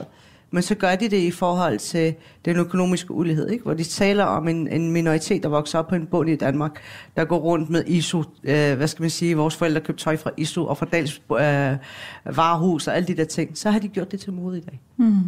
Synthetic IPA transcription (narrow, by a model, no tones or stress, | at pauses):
mensɒ̽ɡ̥ɶɐd̥id̥e̝ifɒːɦɒ̽l̰t͡sʰe̝l | d̥enøkʰono̝̰ːmisɡ̥əuliɦe̝ð̞̰ˠeɡ̥ʋɒd̥it͡sʰɛ̰ːlɐʔɒ̽me̝nenminoʁit͡sʰe̝̰ːd̥ɑ̈ʋɒ̽ɡ̥sɐɒ̽b̥̚ʰɒ̽e̝nb̥ɔ̽n̰id̥ænmɑ̈ːɡ̥d̥ɑ̈ɡ̥ɔ̰ːʁɔ̽n̰d̥meðˠʔisuøʋæsɡ̥æmænsiːʋɒːsfɒ̽el̰d̥ʁɐkʰøb̥̚t͡sʰɒ̽ɪfʁɑ̈ʔisuʔɒ̽fʁɑ̈d̥ɛ̰ːls | ʋɑ̈ːɦṵːsɒ̽æləd̥id̥e̝ɐt͡sʰe̝ŋ̰sɒ̽ɦɑ̈d̥iɡ̥jo̰d̥e̝t͡sʰe̝mo̝ːð̩ˠid̥ɛ̰ː